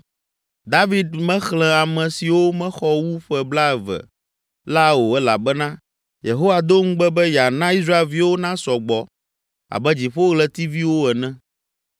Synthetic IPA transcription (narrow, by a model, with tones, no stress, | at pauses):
d̪a˦vi˦d̪mɛ̃˦xlɛ̃˨a˨mɛ̃˨si˨wo˦mɛ̃˦xɔ˦wu˦ɸɛ˨bla˦ɛ˨vɛ̰˨ | la˦wo˨ɛ˦la̰˨bɛ˦nã˦ | je˨ɦo˦wa˨d̪o˦ŋũ˦ɡ͡bɛ˦bɛ˦ja˨nã˦i˦s̬ɾa˦e˨lvi˦wo˦nã˦sɔ˨ɡ͡bɔ˨ | a̰˨bɛ˦d͡ʑi˨ɸo˦ɣlɛ˦t̪i˦vi˦wo˦ɛ˨nɛ̃˦